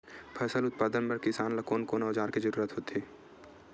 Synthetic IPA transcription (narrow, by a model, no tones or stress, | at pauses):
pʰɐsəlʊt̪̚paːd̪ənpɐɾkɪsaːnlɐkoːnkoːnaːd͡ʒaːɾkid͡ʒəɾuːɾət̪ɦoːt̪eː